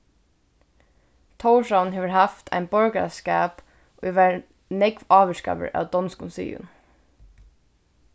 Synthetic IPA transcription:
t̪ʰɔwʃawnɦeːʋəɹɦaft̪ʰa̰jnbɔɹkskæːp | ʊjʋæɹ | nɛkʋɑːʋəska̰ːʋə̰ɹæ̰ːwd̪ɔnskʊnsḭːʊ̰n

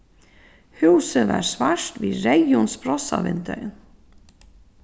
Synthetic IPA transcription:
huwsɪva̰ɾsvaʂt̪viːɾejʊnspɾɔsavɪnt̪œjn

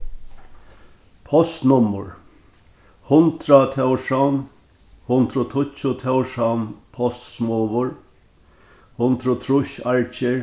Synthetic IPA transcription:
pʰɔst̪nʊmʊ̰ɹ | hʊnt̪ɾat̪ʰɛwʂawn | hʊnt̪ɾʊt̪ʰʊt͡ʃʊt̪ʰawʂawnpʰɔst̪smɔːʋʊɹ | hʊnt̪ɾʊt̪ʰɾʊʃaɹt͡ʃɪ

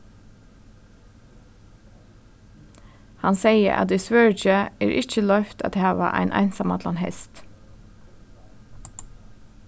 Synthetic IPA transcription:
hɑnseɪə̰ʔɑ̰t̪̚d̪eswœːɹd͡ʒəeːɾʔɪc͡çəlœft̪ɑ̰t̪hæːʋɑ̰ʔæ̰ɪnʔæ̰ɪnsɑmɑ̰t̪lɑnhɛ̰st̪

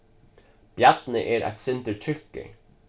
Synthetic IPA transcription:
b̥jæt̪n̩əʔeːɾʔæ̰t̪sɪnt̪əʈʰʏkːə̰

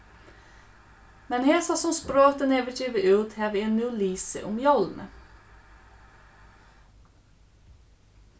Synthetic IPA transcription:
mɛnheːsɑːsɔmspɾoːt̪əneʋətʰiːʋəʔʉːt̪heːʋɪeːnmɛʊliːsə̰ʔʊmjɑlnə̰

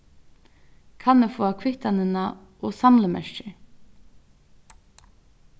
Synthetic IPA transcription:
kʰanːɛfoːakʰʋɪht̪anɪnaɔːsamləmɛ̰ʃt͡ʃɪ

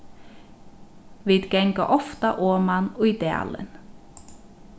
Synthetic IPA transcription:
vid̪ɡɛŋkaʔɔft̪aʔoːmanɔid̪ɛ̰a̰lɪ̰n

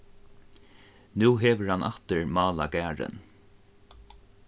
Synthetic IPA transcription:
nuːɦɛːʋəɹhanʔa̰ht̪əɹmɑːlaɡæːɹɪ̰n

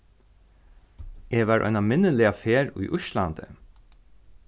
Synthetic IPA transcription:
eːʋaːɹʔɔ̰ʏnamɪnəlɪafeːɹṵjʔʊʃla̰nt̪ə̰

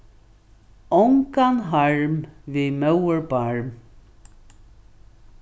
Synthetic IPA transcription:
ɔŋkanɦaɹmvimœwəɹbaɹm

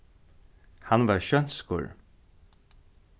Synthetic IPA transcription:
hanvaɾʃœnskʊ̰ɹ

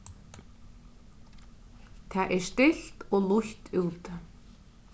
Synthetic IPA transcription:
t̪ʰaːʔɛst̪ɪɬt̪ɔɣlˠʊçt̪uːt̪

